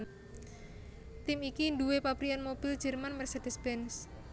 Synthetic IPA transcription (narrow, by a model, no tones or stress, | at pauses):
t̪ɪmikinduwepapɾianmob̥ild͡ʒ̥ə̤rmanmɛrsed̪̥isbɛns